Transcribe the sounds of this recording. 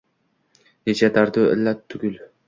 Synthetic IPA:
net͡ʃʰad̪aɾd̪uɪ̰lːat̪ʰːʊɡʲʊl

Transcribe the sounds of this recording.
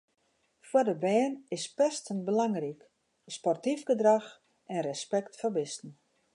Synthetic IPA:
fwədəbɛːnɪspɛstənbəlaŋrik | spɔrtifɡədrax | ʔɛnrəspɛktfəbɪstn̩

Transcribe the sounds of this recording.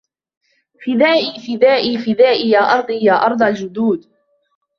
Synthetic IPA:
fɪd̪aːʔiːfɪd̪aːʔiːfɪd̪aːʔɪjaːʔɑɾˤd̪ˤijaːʔɑɾˤd̪ˤɑld͡ʒʊd̪uːd̪

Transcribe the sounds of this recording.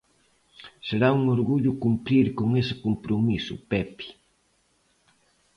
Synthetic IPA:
seɾauŋoɾɣuʎʊkumpɾiɾkoŋesɪ̥kompɾomisʊ̰pɛpi̥

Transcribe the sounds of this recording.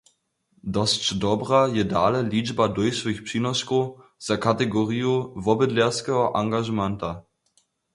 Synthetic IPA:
dɔst͡ʃdɔbʁajɛdaːlɛliːd͡ʒbadɔjʃvɪxpʂiːnɔskoz̥akatɛɡɔʁijovɔbədlɛskɛɦɔʔaŋɡaʒəmɛnta

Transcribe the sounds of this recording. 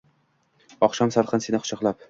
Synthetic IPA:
ɒχʃɒmsaɾqʰɨnsenɪχʊ̥ʃɑqlˠap̚

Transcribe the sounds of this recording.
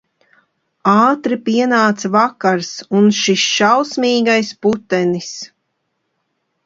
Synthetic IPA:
aːt̪ɾipiɛnaːt̪savakaɾsunʃisʃawsmʲiːɡajsput̪ɛnis

